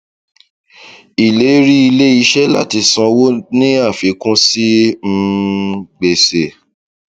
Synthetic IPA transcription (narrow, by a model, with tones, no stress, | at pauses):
i˨le˨˦ɾi˦i˧le˦i˧ʃɛ˦la̰˦˨ti˨˧˦sɔ̃˧wo˦nĩ˦a˦˨fi˨˦kũ˦si˦m̩˧ | ɡ͡be˨se˨